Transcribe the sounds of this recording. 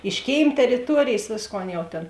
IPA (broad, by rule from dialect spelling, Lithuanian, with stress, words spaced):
ɪʃ ˈkʲeːɪm tʲɛrʲɪˈtuɔrʲeːjeːs ˈʋʲeːsˌkoːn ˈjɛʊ tʲeːn